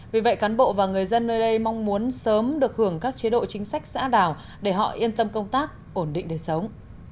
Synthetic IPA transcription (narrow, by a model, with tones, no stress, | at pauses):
vi˨˩və̰˧˨jkaː˨˦nɓo̰˧˨vaː˨˩wŋɨ˨˩əjzə˧nːəː˧jɗə˧jma˧wŋ͡mmu˨˦ənsəː˨˦mɗɨ˨˩ək̚hɨ˧˩əŋkaː˦˥k̚t͡ɕi˨˦ɗo̰˧˨t͡ɕï˨˦ŋ̟sa˦˥jk̟̚sa̰ː˧˥ɗaː˧˩w | ɗe˧˩ɦɔ̰˧˨ʔi˧ənt̪ə˧mkə˧wŋ͡mt̪aː˦˥k̚ʔo˧˩nɗḭ̈˧˨ŋ̟ɗe˧˩sə˨˦wŋ͡m